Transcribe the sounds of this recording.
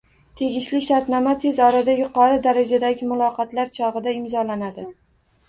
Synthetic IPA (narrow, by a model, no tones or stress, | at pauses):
t̪ʰe̞ɡʲɪʃlɪʃaɾt̪nɒmat̪ʰe̞zɒɾad̪ajʊqɒɾɪd̪aɾad͡ʒad̪aɡʲɪmʊlˠɒqɑt̪laɾt͡ʃʰɒʁɨd̪aɪmzɒlanad̪ɪ